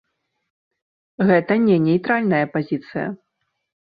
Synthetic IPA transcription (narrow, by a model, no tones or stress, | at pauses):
ɣɛt̪ɐnʲɛnʲɛjt̪ɾalʲnɐjɐpazʲit̪sɨjɐ̰